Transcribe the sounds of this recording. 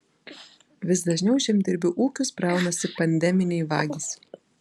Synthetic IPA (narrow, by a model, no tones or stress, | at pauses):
ʋʲɪsd̪ɐʒʲnʲɛʊʃʲɛmʲd̪ʲɪɾʲbʲʊʔuːkʲʊspɾɑˑʊnɐsʲɪpɐnʲd̪ʲɛmʲɪnʲɛɪʋɑ̰ːɡʲɪs